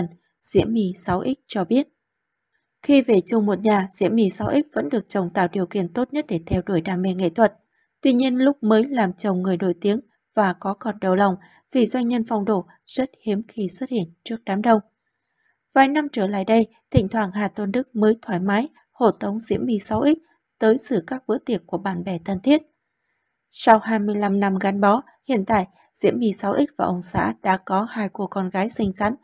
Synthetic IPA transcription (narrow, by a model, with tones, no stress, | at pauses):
n | z̥ḭ˧˥əmi˧sa˨˦wʔi˦˥k̟̚t͡ɕɔ˧ɓi˦˥ət̚ | xi˧ve˨˩t͡ɕʊ˧˩ŋ͡mmo˨˩t̚ɲaː˨˩zḭ˧˥əmi˧˩saː˨˦wʔï˦˥k̟̚və̰˧˥nɗɨ˨˩ək̚t͡ɕə˨˩wŋ͡mt̪a̰ː˧˨wɗi˨˩əwkḭ˧˨ənt̪o˦˥t̚ɲə˦˥t̚ɗe˧˩t̪ʰɛ˧wɗo˧˩jɗaː˧˩mɛ̰˧˨˩ŋḛ˧˨t̪ʰwə˨˩t̚ | t̪wi˧ɲi˧ənlʊ˦˥k͡p̚məː˨˦jlaː˨˩mt͡ɕə˨˩wŋ͡mŋɨ˨˩əjno̰˧˩jt̪i˨˦əŋ | vaː˨˩kɔ˨˦kɔ˨˩nɗə˨˩wla˨˩wŋ͡m | v̥i˨˩zwa˧jŋ̟ɲə˧nfa˧wŋ͡mɗo̰˧˩ | z̥ə˦˥t̚hi˨˦əmxi˧swə˦˥t̚hḭ˧˨ənt͡ɕɨ˦˥ək̚ɗaː˨˦mɗə˧w | vaː˨˩jna˧mt͡ɕəː˧˩la̰ː˧˨jɗə˧j | t̪ʰï˧˩ŋ̟t̪ʰwaː˧˩ŋɦaː˨˩t̪ə˧nɗɨ˦˥k̚məː˨˦jt̪ʰwaː˧˩jmaː˨˦j | ho̰˧˩t̪ə˨˦wŋ͡mzḭ˧˥əmːi˧˩sa˨˦wʔï˦˥k̟̚ | t̪əː˨˦jsɨ̰˧˩kaː˦˥k̚ɓɨ̰˧˥t̪i˨˩ək̚kːu˧˩əɓa̰ː˧˩nɓɛ˧˩t̪ʰə˨˩nt̪ʰi˦˥ət̚ | sa˧whaː˧jmɨ˧əjla˧mna˧mɣa˨˦nɓɔ˨˦ | hḭ˧˨ənt̪a̰ː˧˨j | z̥ḭ˧˥əmːi˧sa˨˦wʔï˦˥k̚vaː˨˩ʔə˧wŋ͡msa̰ː˧˥ɗa̰ː˧˥kɔ˨˦haː˧jku˧˩əkɔ˧nɣaː˨˦jsï˧ŋ̟za˨˦n